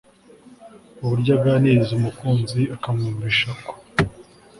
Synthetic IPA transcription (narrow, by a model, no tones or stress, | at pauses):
uβuɾɟab̚ɡaneːzumukuːnziakamuːmbiʃako̥